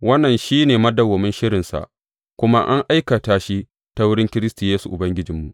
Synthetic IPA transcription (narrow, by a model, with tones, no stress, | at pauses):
wɐ˦nːɐ˨nʃiː˦neː˨mɐ˦dɐ˨wɐ˨mɪ˦nʃɪ˦ɾɪ˨nsa̰˨ʔ | kʷʊ˦ma˦ʔa˦ŋʔa˦jka˨taː˦ʃi˦ | ta˦wʊ˦ɽɪ˦ŋkʲɪ˦ɾɪ˦stu˨jeː˦su˨ʔʊ˨bɐ˦ŋɡʲɪ˦d͡ʒɪ˨mːu˨ʔ